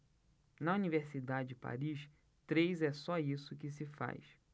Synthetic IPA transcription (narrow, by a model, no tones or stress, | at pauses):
nɐuniveɾsid̪ad͡ʒɪd͡ʒɪpa̰ɾiʃ | t̪ɾejzɛsɔisʊkɪs̬ɪfa̰js